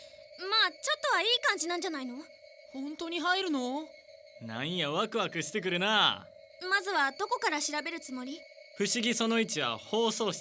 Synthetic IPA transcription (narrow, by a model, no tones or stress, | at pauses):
maːt͡ɕo̞t̪ːo̞βaiːkãɲ̟d͡ʑinãɲ̟d͡ʑanaino̞ | hõ̞nt̪o̞ɲ̟iɦaiɾɯ̟no̞ | nã̰ɰ̃jaβakɯ̟βakɯ̟ɕi̥t̪e̞k̬ɯ̟ɾɯ̟na | mazɨβad̪o̞ko̞kaɾaɕiɾabe̞ɾɯ̟t͡sɨmo̞ɾʲi | ɸɯ̟ɕiɡʲiso̞no̞it͡ɕiβa̰ho̞ːso̞ːɕ